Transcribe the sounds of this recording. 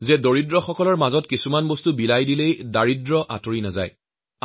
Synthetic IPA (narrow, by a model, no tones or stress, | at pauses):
zɛdoɹidɹɔxɔkɔlɔɹmazɔtkisumanbostubilajdilejdaɹidɹɔʔa̰toɹinaza̰j